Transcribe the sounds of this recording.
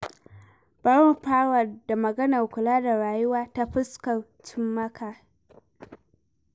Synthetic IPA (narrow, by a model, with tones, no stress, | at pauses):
b̥a˦ɽɔ˦mpaː˦wɐ˨rda˨mɐ˨ɡɐ˦nɐ˨rkʷʊ˨laː˦da˨ɾaː˨jʊ˦waː˦ta˦ɸʊ˦skɐ˨n | t͡ʃɪ˦mːɐ˦kaː˨